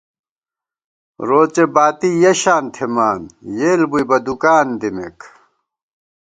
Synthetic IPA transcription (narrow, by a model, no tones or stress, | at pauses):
ɾoːt͡ɕebaːt̪ijɐɕaːnt̪ʰemaːnjeːlbuibɐd̪ukaːnd̪imḛk